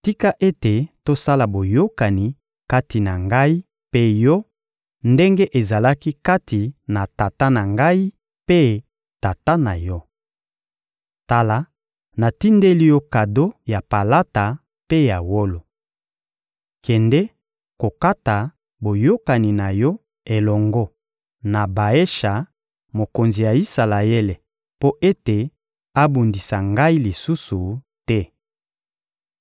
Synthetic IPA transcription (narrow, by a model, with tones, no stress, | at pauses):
ti˦ka˦ʔe˦te˨to˦sa˦la˨bo˨jo˦ka˨ni˨ | ka˦ti˨na˨ŋɡa˦i˦ | pe˦jɔ˦ | nde˦ŋɡe˦ʔe˨za˨la˦ki˦ka˦ti˨na˨ta˨ta˦na˨ŋɡa˦i˦ | pe˦ | ta˨ta˦na˨jɔ˦ | ta˦la˨ | na˨ti˦nde˦li˦jɔ˦ka˨do˦ja˨pa˨la˦ta˨ | pe˦ja˨wo˦lo˨ | kɛ˨ndɛ˦ | ko˨ka˦ta˨ | bo˨jo˦ka˨ni˨na˨jɔ˦ | e˨lɔ˨ŋɡɔ˦ | na˨ba˨e˦ʃa˨ | mo˨ko˨nzi˨ja˨i˦sa˨la˨e˦le˨ | po˦ʔe˦te˨ | a˦bu˨ndi˨sa˨ŋɡa˦i˦li˨su˦su˨ | tɛ˦